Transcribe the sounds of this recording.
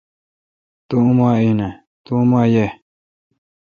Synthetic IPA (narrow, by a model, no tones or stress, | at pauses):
t̪ũʔũmãinã | t̪umãje